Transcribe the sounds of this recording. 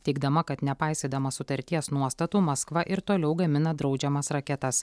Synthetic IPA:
t̪ʲɛɪɡ̚d̪ɐmɐkɐt̪nʲɛpɐɪsʲed̪ɐmɐsʊt̪ɐɾʲt̪ʲiɛsnuɔst̪ɐt̪uːmɐskʋɐʔɪɾt̪oːlʲɛʊɡɐmʲɪnɐd̪ɾɒʊd͡ʒʲɛmɐsɾɐkʲɛt̪ɐs

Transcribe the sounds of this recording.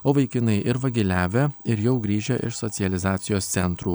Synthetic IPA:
oːʋɐɪkʲɪnɐɪʔɪɾʋɐɡʲɪlʲæːʋʲeɪɾjɛʊɡɾʲiːʒʲɛʔɪ̰ʃsɔt̪sʲɪɛlʲɪzɑːt̪sʲɪjoːst̪sʲɛnt̪ɾuː

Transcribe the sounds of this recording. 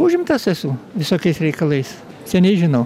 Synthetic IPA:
uʒʲɪmt̪ɐsɛsuʋʲɪsoːkʲɛɪsɾʲɛɪkɐlˠɐɪs | sʲɛnʲɛɪʒʲɪnɐʊ

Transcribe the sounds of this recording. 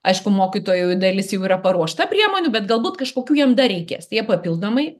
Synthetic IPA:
ɐɪʃkʊmoːkʲit̪oːjɛd̪ɐlʲɪsjɛʊiːɾɐpɐɾuɔʃt̪ɐpʲɾʲiɛmoːnʲʊbʲɛt̪ɡɐlˠbuːt̪kɐʃkoːkʲuːjiɛmd̪ɐɾʲɛɪkʲeːst̪ɐjiɛpɐpʲilˠd̪oːmɐɪ

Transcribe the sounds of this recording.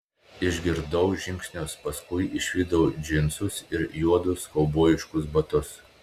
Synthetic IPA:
ɪʒʲɡʲɪɾd̪ɐʊʒʲɪŋʲksʲnʲoːspɐskʊɪʔɪʃʲʋʲiːd̪ɐʊd͡ʒʲɪnsʊsɪɾjuɔd̪ʊskɐʊboːjɪʃkʊsbɐt̪ʊs

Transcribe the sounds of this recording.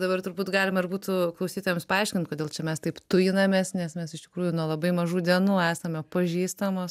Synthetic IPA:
d̪ɐbɐrt̪ʊɾbuːt̪ɡɑːlʲɪmɐɪrbuːt̪ʊklˠɐʊsʲiːt̪oːjɛmspɐɐɪʃʲkʲɪnt̪koːdʲeːlˠt͡ʃʲɛmʲɛst̪ɐɪpt̪ʊjɪnɐmʲeːsnʲɛsmʲɛsɪʃtʲɪkɾuːjʊnuɔlˠɐbɐɪmɐʒuːd̪ʲiɛnuːæːsɐmʲɛpɐʒʲiːst̪ɐmoːs

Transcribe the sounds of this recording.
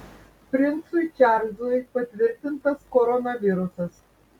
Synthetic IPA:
pʲɾʲɪnsʊt͡ʃʲæˑɾʲlʲzuɪpɐt̪ʲʋʲɪɾʲt̪ʲɪnt̪ɐskɔɾɔnɐʋʲɪɾʊsɐs

